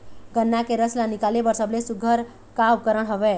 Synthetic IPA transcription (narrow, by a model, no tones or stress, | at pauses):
ɡənːakeɾəslanikalebəɾsəblesuɡʱəɾ | kabkəɾəɽ̃ɦəβe